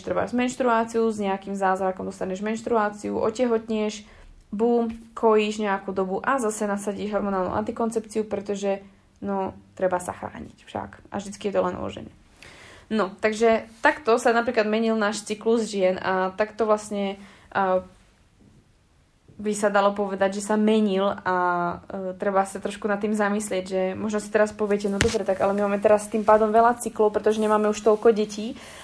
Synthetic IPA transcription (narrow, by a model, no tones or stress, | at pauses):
ʃt̪ɾɛba̰ʒzmɛnʃt̪ɾuaːt͡siuzɲɛakimzaːzɾakɔmd̪ɔst̪aɦɲɛʒmɛnʃt̪ɾuaːt͡siuʔɔ̰cɛɦɔt̪ɲɪɛʃ | buːmkʰɔjiːʒɲɛakud̪ɔbuʔazasɛnasaɟiːʒɦɔɾmɔnaːlˠnṵa̰nt̪ikɔnt͡sɛpt͡siupɾɛt̪ɔʒɛ | nɔt̪ɾɛbasa̰xɾa̰ːɲḭcfʃa̰kʔa̰vʒd̪it͡skijɛt̪ɔlɛnɔ̰ʒɛ̰ɲɛ̰ | nɔt̪aɡʒɛt̪akt̪ɔsanapɾiːklad̪mɛɲilnaːʃt͡sikluzʒɪɛnat̪akt̪ɔʋlasɲɛ | bisad̪alɔp̬ɔʋɛd̪aɟʒɛsamɛɲila | t̪ɾɛbasat̪ɾɔʃkunat̪ːiːmzamislɪɛɟʒɛmɔʒnɔsi̥t̪ɛɾaspɔʋɪɛcɛnɔd̪ɔbɾɛt̪aɡalɛmimaːmɛt̪ɛɾast̪iːmpaːd̪ɔmʋɛlat͡siklɔʊpɾɛt̪ɔʒɛɲɛmaːmɛuʃt̪ɔlkɔɟɛciː